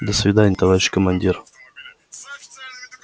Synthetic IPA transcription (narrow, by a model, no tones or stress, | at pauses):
d̪əsvʲɪd̪anʲɪt̪ɐvaɾʲɪɕi̥kəmɐnʲdʲir